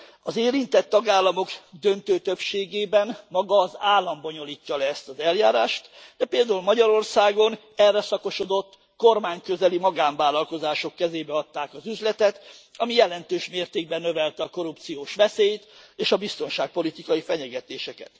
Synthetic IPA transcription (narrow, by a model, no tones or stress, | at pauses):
ɒzeːɾint̪ɛt̪ːɒɡaːlːɒmo̞ɡd̪ø̞nt̪øːt̪øpʃeːɡeːbɛnmɒɡɒːzaːlːɒmbo̞ɲo̞liːcːɒlɛːst̪ɒzɛljaːɾaːʃt̪d̪̥ɛpeːld̪aːulmɒɟɒɾo̞rsaːɡo̞n | ɛrːɛsɒko̞ʃo̞d̪o̞t̪ː | ko̞rmaːɲkøzɛlimɒɡaːɱvaːlɒlko̞zaːʃo̞kːɛzeːbɛɒt̪ːaːkɒzyzlɛt̪ɛt̪ɒmijɛlɛnt̪øːʃmeːrt̪eːɡ̚bɛnːø̞vɛlt̪ɛɒko̞ɾup̚t̪sijoːʃʋɛseːjt̪eːʃɒbist̪o̞nʃaːk̚po̞lit̪ikɒjifɛɲɛɡɛt̪eːʃɛkɛ̰t̪